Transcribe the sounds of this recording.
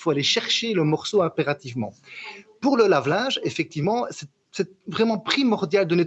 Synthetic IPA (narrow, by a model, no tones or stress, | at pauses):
foaleʃɛʁʃeləmɔʁsoɛ̃peʁat̪ivmɑ̰̃puʁləlavlɛ̃ʒefɛk̚t̪ivmɑ̃sɛ | sɛt̪vʁɛmɑ̃pχimɔʁd̪jald̪əne